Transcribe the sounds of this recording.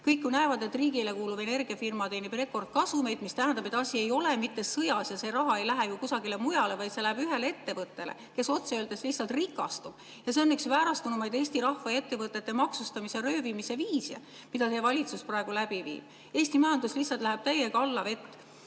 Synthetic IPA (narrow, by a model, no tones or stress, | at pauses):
kɤjkːunæevɑd̪e̞t̪riːɡile̞kuːlub̥e̞ne̞rɡ̥iɑfirmɑt̪e̞ːnib̥re̞kːo̞rd̪̥̚kɑsume̞jd̪mist̪æɦænd̪̥ɑbe̞t̪ːˑɑsʲie̞jo̞le̞mit̪ːe̞sɤjɑsjɑse̞ɾɑɦɑejlæɦejukusɑɡile̞mujɑle̞vɑjt̪se̞læɦebyɦe̞lee̞t̪ːe̞vɤt̪ːe̞lḛke̞so̞t̪seøːld̪̥eslihtsːɑlt̪rikːˑɑ̰st̪ub̥ | jɑse̞o̞nːyksvæːɾɑst̪unumɑjd̪e̞ːsʲt̪iɾɑhvɑe̞t̪ːe̞vɤt̪ˑːe̞t̪ːemɑksust̪ɑmise̞rø̞ːvimise̞viːsḛ | mid̪ɑt̪ejvɑlʲit̪susprɑeɡ̥ulæb̥ivḭːb̥̚ | e̞ːsʲt̪imɑjɑnd̪uslihsɑlt̪læɦeb̥̚t̪æje̞kɑlːɑve̞t̪ːˑ